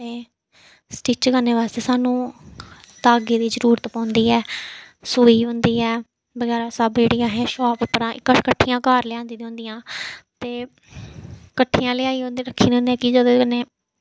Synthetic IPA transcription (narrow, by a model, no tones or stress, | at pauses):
t̪eː | sʈiːt͡ʃɡənːeːʋaːst̪eːsaːnũː | t̪aːɡiːd̪iːzəɾuːɾət̪pãːʊnd̪iːɛː | soːiːɦʊ̃nd̪iːɛː | bəɡɛːɾaːsəbd͡ʒeːɽijãːɦɛ̃ːʃɔːppɾãːɪkːəkəʈʰːijãːkaːɾlɪãːnd̪iːd̪õʊ̃nd̪ijãːt̪eː | kəʈʰːiːãːlɪaːiːɦõnd̪iːɾəkʰːiːnõnd̪jãːkɪd͡ʒəd̪oːkəneː